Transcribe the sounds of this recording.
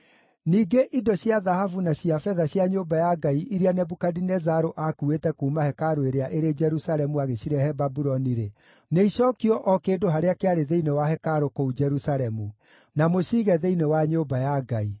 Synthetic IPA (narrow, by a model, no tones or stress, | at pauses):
niːɡeʔidɔɕjaðahavunaɕjafɛðaɕjaɲoːbajaɡaiʔiɾianɛbukadinɛzaɾoʔakuetɛkuːmahɛkaɾoeɾeaʔeɾed͡ʒɛɾusaɾɛmuaɣeɕiɾɛhɛbabuɾɔniɾe | neiɕɔkiɔʔɔkeːdoɦaɾeakeaɾeðeinewaɦɛkaɾokoud͡ʒɛɾusaɾɛmu | namoɕiːɣɛðeinewaɲoːbajaɡai